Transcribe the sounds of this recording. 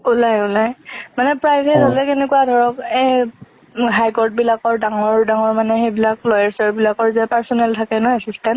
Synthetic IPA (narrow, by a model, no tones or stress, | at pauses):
ulajulajmanɛpɹajɛɦolɛkenɛkuadʱɔɹɔkɛ | ɦajkɔɹt̚bilakɔɹdaŋɔɹdaŋɔɹmanɛxejbilak̚lɔjɛɹsɔɹbilakɔɹzɛpaɹsɔnɛltʰakɛnɔjasistɛnt